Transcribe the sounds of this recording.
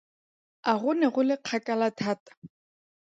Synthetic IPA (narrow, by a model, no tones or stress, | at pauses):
aɣʊnɛɣʊlɪq͡χʰakʼalatʰaːtḁ